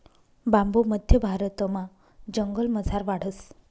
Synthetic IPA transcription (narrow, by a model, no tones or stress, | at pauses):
bãmboməd̪ʱjəbʱaɾət̪əmã | d͡ʑəŋɡəlməd͡zʱaɾʋaɽ̤əs